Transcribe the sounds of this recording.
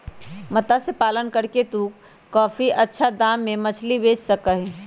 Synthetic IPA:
mɐt̪asepaːlənkəɾket̪uːk | kːɔːfiʔɐtːʃʰad̪ãːmːẽmɐt͡ʃʰlibeːd͡ʒsɐkaɦɛ

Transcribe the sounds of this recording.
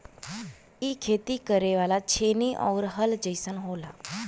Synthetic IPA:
iːkʰet̪ikəɾeʋalat͡ɕʰeniʔɔ̰ʋɾɦəld͡ʑəjsənɦola

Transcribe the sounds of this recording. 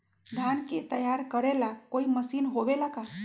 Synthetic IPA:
d̪ʱanket̪əjaɾkəɾelakoiməsiːnɦobelaka

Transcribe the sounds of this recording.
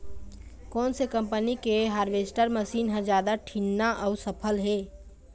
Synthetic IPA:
kɔːnsekəmpənikeɦaːɾʋesʈəɾməsiːnɦə̃d͡ʒjaːd̪aʈʰinːaʔəʊsəpʰəlɦe

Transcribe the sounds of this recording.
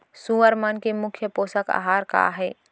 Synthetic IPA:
sũəɾmənkemʊkʰjəpoːsəka̰ɦaːɾka̰ːɦɛː

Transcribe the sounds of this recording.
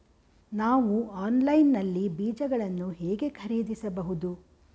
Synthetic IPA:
naːʋuaːnlɐjnːɐlːibiːd͡ʒɐɡɐɭɐnːuɦeːɡe̞kʰɐɾiːd̪isɐbɐɦud̪u

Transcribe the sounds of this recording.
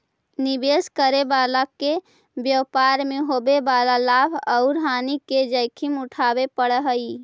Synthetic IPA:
nibeskəɾebalake | bjəwpaɾmeɦobebalalabʱəʊɾɦaniked͡ʒəjkʰimuʈʰabepəɽɦəi

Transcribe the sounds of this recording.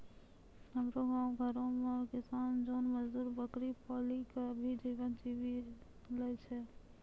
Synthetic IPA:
əmɾoɡãːũɡʱəɾõmẽɔɾkɪsaːnd͡ʒoːnməd͡ʒd̪uːɾbəkɾipɔːlikabʱid͡ʒiʋənd͡ʒiʋi | lɛt͡ʃʰɛ

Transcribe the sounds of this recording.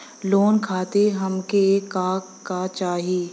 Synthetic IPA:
loːnkʰaːt̪eɦɐmkekaːkːat͡ʃaːɦieː

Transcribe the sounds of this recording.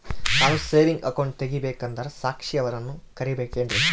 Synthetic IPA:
ɐʋɐseːʋiŋɡɐkɐwɳɖ̚t̪eɡːibeːkɐnd̪ɐɾɐsaːkʂiɐʋɐɾɐnːukɐɾibeːkeːɳʈe

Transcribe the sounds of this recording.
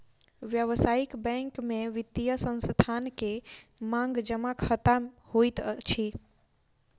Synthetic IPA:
ʋjəʋsaikbɛ̃ŋkmẽʋit̪ːijəsə̃nst̪ʰankemãŋɡd͡ʒəmakʰət̪a | hoit̪t͡ʃʰi

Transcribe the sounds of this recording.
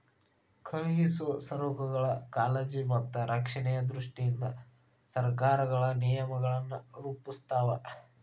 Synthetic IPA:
kʰɐɭiɦisusɐɾoːkɐɡɐɭɐkaːlɐd͡ʒimɐt̪ːɐɾʔɐkʂɐɳɛjɐd̪ɾuʂʈijind̪ɐ | sɐɾkaːɾɐɡɐɭɐnijɐmɐɡɐɭɐnːuɾuːpust̪aːʋɐ

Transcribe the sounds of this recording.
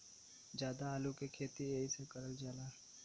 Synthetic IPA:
d͡ʒjaːd̪aaːlukekʰeːt̪ieːisekəɾəld͡ʒaːlaː

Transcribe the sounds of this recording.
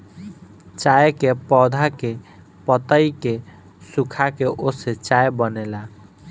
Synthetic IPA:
t͡ʃajekepɔd̪ʱake | pət̪əike | sukʰakeʔoset͡ʃajbənela

